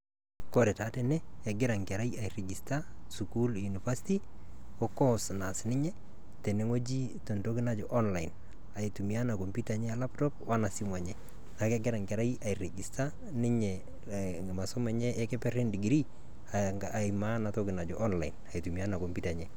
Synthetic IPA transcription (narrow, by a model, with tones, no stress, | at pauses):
ko˦ɾɛ˨ta˦tɛ˨nɛː˦˨ɡɪ˦ɾa˨ŋkɛ˨ɾa˦ia˨ire˨ɡi˨stasuku˦lju˨ni˨fasiti | o˦kɔsna˨snɪ˦ɲɛ˦ | tɛ˨ne˦ŋo˦d͡ʒi˦to˨nto˦kɪ˦na˦d͡ʒo˨ʔɔ˦nla˨in | a˨i˨tu˨mi˨a˦na˨ko˨mpi˦taɲɛ˦ala˦ptɔ˦p̚wa˦na˨simwa˨ɲɛ˨ | na˨ke˦ɡɪ˦ɾa˨ŋka˨ɾa˦iʔa˨i˨ɾe˨ɡi˨sta | nɪ˦ɲɛ | ma˨so˦mɛ˨ɲɛ˦ʔːkɛ˦pɛɾe˦ndi˨ɡɾi˦ | aimana˨tokɪ˨na˨d͡ʒo˨ʔɔ˦nla˨ina˨i˨tumi˨a˦na˨ko˨mpita˨ɲɛ